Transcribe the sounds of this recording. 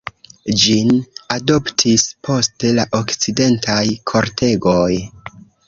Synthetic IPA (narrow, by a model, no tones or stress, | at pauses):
d͡ʒinado̞ptʰispʰo̞ste̞laʔo̞kt͡side̞ntajkʰo̞ɾtʰe̞ɡo̞j